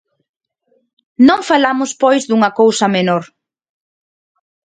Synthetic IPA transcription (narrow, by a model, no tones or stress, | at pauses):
nõŋfalamʊspojzðuŋɐkowsɐmenoɾ